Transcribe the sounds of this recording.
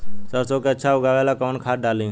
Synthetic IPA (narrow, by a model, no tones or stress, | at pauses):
səɾsokeɐətːʃʰaɦoɡaːʋɛːlakɔːnkʰaːɖaːlĩ